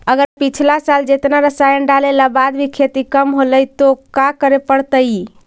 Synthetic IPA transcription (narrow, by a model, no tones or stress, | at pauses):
əɡəɾpit͡ʃʰlasald͡ʒet̪naɾəsajənɖalelabad̪bʱikʰet̪ikəmɦoləjt̪okakəɾepəɽt̪əj